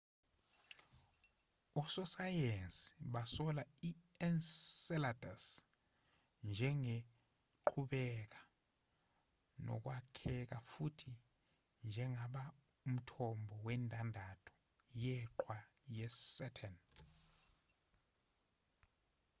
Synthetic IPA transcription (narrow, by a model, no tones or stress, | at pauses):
ɔsɔsajensi̥ɓasɔlai | ɛnsɛladʱas | nd͡ʒʱɛŋe | ǃʰuɓɛk̬ḁ | nɔ̰k̬wakʰɛk̬afutʰi | nd͡ʒʱɛŋaɓa | um̩tʰɔmbʱɔwɛntʼandʱatʰɔ̥ | jɛǃʰwa | jɛsɛtʰɛn